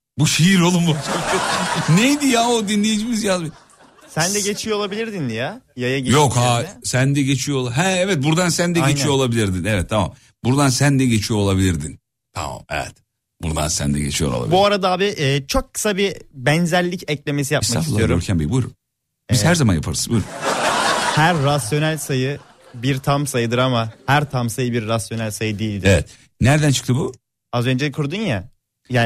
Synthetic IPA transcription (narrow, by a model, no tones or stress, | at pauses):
buʃejiɾo̞lˠumbut͡ʃ | nejd̪ijaod̪inlʲe̞jid͡ʒimizjazbi | sænd̪ɛɟe̞t͡ʃʰijolˠabilʲiɾd̪ind̪ijajajaɟijokhasænd̪ɛɟe̞t͡ʃʰijolˠaɦɛɛvɛt̪̚buɾd̪ansænd̪ɛɟet͡ʃʰijo̞olˠabilʲiɾd̪inɛvɛt̪ʰːama̰m | buɾd̪ansænd̪ɛɟe̞t͡ʃʰijo̞olˠabilʲiɾd̪in | t̪ʰa̰ma̰mɛ̰vɛ̰t̪ | buɾd̪a̰nsæ̰nd̪ɛ̰ɟet͡ʃʰijoɾo̰lˠa̰ibuaɾad̪aaːbiʔɛːt͡ʃʰo̞kʰːɯ̥sabibɛnzæɾlʲːicɛclʲe̞me̞sijapsmaafiulˠijoɾuɾcʰɛnbibujɾu | ihæɾzamanja̰pʰaɾsɯbujɾu | hæɾːasjo̞nælʲsajɯ | biɾt̪ʰamsajɯd̪ɯɾamahæɾt̪ʰamsajɯbiɾːasjo̞nælʲsajɯd̪ijilʲd̪ievɛt̪ | næɾd̪ænt͡ʃʰɯ̥k̚t̪ʰɯbu | azø̞nd͡ʒeɛkʰuɾd̪unja | jaː